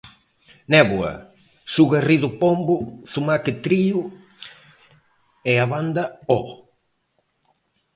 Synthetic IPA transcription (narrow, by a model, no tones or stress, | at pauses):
nɛβwɐ̰ | suɣeriðʊpombʊθumakɪt̪ɾiʊ | ɛaβand̪ɐɔ